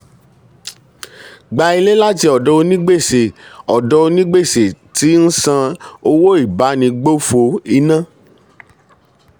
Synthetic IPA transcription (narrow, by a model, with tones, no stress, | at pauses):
ɡ͡ba˧i˧le˦la˦ti˧˦ɔ˨dɔ˧˦o˧nĩ˦ɡ͡be˦˨se˨ɔ˨dɔ˧˦o˧nĩ˦ɡ͡be˦˨se˨ti˨˦n̩˦sã˧o˧wo˦i˦˨ba˨˦nĩ˧ɡ͡bo˦fo˧i˧nã˦˨